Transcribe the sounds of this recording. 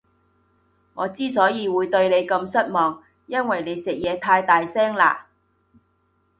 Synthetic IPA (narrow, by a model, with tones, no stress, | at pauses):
ŋɔː˨˧t͡siː˥s̬ɔː˨˥jiː˨˧wuː˨˧jt̪ɵ˧ɥle˨˧jkɐ˧msɐ˥t̚mɔː˨ŋ | jɐ˥nwɐ˨jne˨˧jsɪ˨k̚jɛː˨˧t̪ʰaː˧jt̪aː˨jsɛː˥ŋla̰ː˧˩